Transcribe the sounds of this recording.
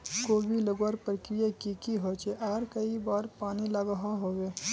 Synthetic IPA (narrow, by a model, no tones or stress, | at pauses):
koːbiləɡwaɾpɾəkɾɪjakikiɦoːt͡ʃeʔaːɾkɐibaːɾpaːnilaːɡəɦaɦoːweː